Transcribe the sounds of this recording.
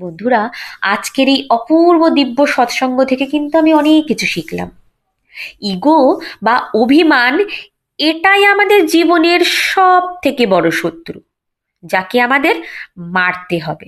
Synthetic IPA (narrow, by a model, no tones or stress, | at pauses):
bond̪ʱuɾaad͡ʑkeɾejɔpuɾbod̪ibːoʃɔt̪ʃɔŋɡot̪ʰekekint̪uamiɔnekːit͡ɕʰuʃikla̰m | iɡobaobʱiman | eʈajamad̪eɾd͡ʑiboneɾʃɔb̚t̪ʰekebɔɽoʃot̪ːɾu | d͡ʑakeamad̪eɾmaɾt̪eɦɔbe